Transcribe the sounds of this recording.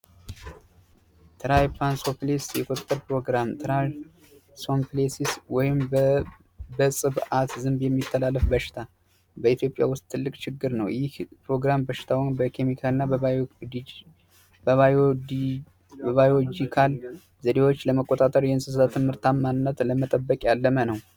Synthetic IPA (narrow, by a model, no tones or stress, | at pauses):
t̪ʰɨɾajpʰansoplesjɛkʰʼo̞t̪ʼːəɾpɾo̞ɡɾamt̪ʰɾa | somplesiswɔjɪm | bəsʼɨβat̪zɨnbjɛmːit̪ʰːəlalːəfbəʃɪ̥t̪ʰa | bəit̪jo̞pʼja̰wʊst̪̚ʼt̪ʰːɨlːɨkʼt͡ʃɪɡːɨɾnəwjɪhpɾo̞ɡɾambəʃɪ̥t̪ʰawinbəkʰe̞mikʰalɨnːabəa | bəβa | bəβajod͡ʒikʰal | zəd̪e̞wo̞t͡ʃːləməkʼːot̪ʼat̪ʼəɾjɛɨnsɨsat̪ʰɨmhɨɾt̪ʰammanɨnːət̪ləmət̪ʼəbːəkʼjalːəmənəw